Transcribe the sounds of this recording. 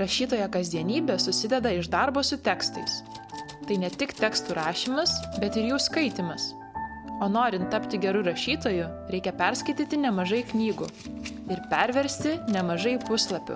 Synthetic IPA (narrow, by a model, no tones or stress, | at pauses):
ɾɐʃʲiːt̪oːjɛkɐzʲd̪ʲiɛnʲiːbʲɛːsʊsʲɪd̪ʲɛd̪ɐɪʒd̪ɑɾboːsʊt̪ʲɛkst̪ɐɪs | t̪ɐɪnʲɛt̪ʲɪkt̪ʲɛkst̪uːɾɑːʃʲimɐsbʲɛt̪ɪɾjuːskɐɪt̪ʲɪmɐs | oːnoːɾʲɪnt̪ːɐpʲt̪ʲɪɡʲɛɾʊɾɐʃʲiːt̪oːjʊɾʲɛɪkʲɛpʲɛɾskɐɪt̪ʲiːt̪ʲɪnʲɛmɐʒɐɪknʲiːɡʊ | ɪɾpʲɛɾʲʋʲɛɾʲsʲt̪ʲɪnʲɛmɐʒɐɪpʊslˠɐpʲʊ̰